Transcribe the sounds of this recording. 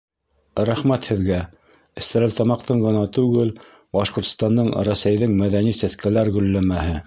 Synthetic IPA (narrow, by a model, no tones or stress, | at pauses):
ɾæχmæt̪hɘ̆ðɡæ | ɘ̆st̪æɾælt̪ɑmɑq̚t̪ɤɴɢɤ̆nɑt̪ʉɡɘl | bɑʃqŏɾt̪ŏ̥st̪ɑnd̪ɤɴɾæsæjðɘŋmæðænisæskælæɾɡɵ̆lːæmæhɘ